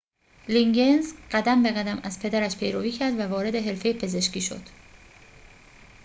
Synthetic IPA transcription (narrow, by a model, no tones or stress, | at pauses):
liŋɟenzɢæd̪æmbeɣæd̪æmæz̥pʰe̞d̪æɾæʃpʰe̞jɾoviːcʰæɾd̪vævɒːɾe̞d̪e̞ɦe̞ɾfe̞jepʰe̞ze̞ʃciːʃo̞̰d̪̥